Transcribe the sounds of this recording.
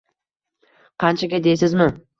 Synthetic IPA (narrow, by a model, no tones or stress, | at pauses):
qʰɑnt͡ʃʰaɡʲad̪ejsɪzmɪ